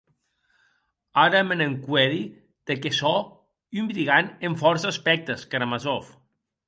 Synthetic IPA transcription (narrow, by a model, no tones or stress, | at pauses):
aɾəmeneŋkwɛði | d̪̥ekesɔ | ymbɾiɣaneɱfɔɾsaspɛk̚t̪əskaɾamazɔf